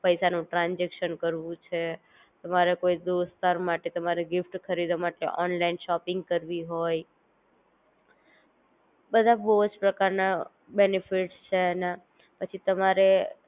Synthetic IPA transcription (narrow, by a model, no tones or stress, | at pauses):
pəjsanũʈɾãnd͡ʒekʃənkəɾʋũt͡ʃʰe | t̪əmaɾekoid̪ost̪aɾmaʈet̪əmaɾeɡifʈkʰəɾid̪amaʈḛʔɔ̰nlainʃɔpɪŋɡ̚kəɾʋiɦoj | bəd̪ʱabəd͡ʒpɾəkaɾna | benifiʈst͡ʃʰena | pət͡ʃʰit̪əmaɾe